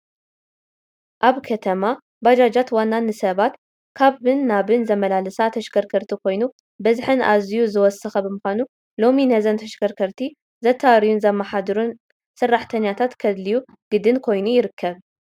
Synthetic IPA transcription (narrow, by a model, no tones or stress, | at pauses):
ʔaβkʰɐt̪ʰɐma | bad͡ʒad͡ʒat̪wanːanːɨsɐβat̪ | kʰaβːɨnːaβɨnzɐmɐlalɨsat̪ʰɐʃkʰɐɾkʰɐɾt̪ʰikʰo̞jnu | bɐzħɨna̰zijuzɨwɔsɨxɐbɨmɨxʷanu | lo̞minɐzɐnt̪ʰɐʃkʰɐɾkʰɐɾt̪ʰi | zɐt̪ʰːawɾijunzɐmːaħad̪ɨɾun | sɨrːaħt̪ʰɐɲːjat̪ʰat̪kʰɐd̪liju | ɡ̥ɨd̪ɨnkʰo̞jnujɪɾɨkʰːɐβ